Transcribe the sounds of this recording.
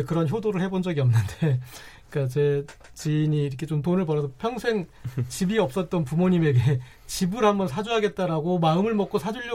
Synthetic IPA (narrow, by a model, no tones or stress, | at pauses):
ekɯɾʌnçjodoɾɯɭhe̞bond͡ʑʌɡiʌmnɯnde | k͈at͡ɕe̞ | t͡ɕiːɲiːɾʌkʰe̞t͡ɕomtonɯɭpʌɾʌsʰʌpʰjʌŋsʰe̞ŋt͡ɕibiʌp̚s͈ʌt̚t͈ʌnpumoɲime̞ɡe | t͡ɕibɯɾhambʌnsʰad͡ʑuɦaɡe̞t̚t͈aɾaɡomaɯmɯɭmʌk͈osʰad͡ʑuʎːʌ